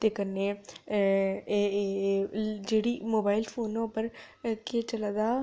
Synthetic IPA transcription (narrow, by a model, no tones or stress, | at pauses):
t̪ekəne | d͡ʒeːɽimoːbaːɪlfʰoːnpəɾ | ket͡ʃɐlad̪aː